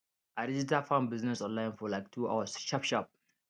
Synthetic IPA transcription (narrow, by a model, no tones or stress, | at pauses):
ʔaɾid͡ʒitʰafãnbiznɛsɔ̃nlaj̃nfɔlaɪktʰua̰wsʃapʃap̚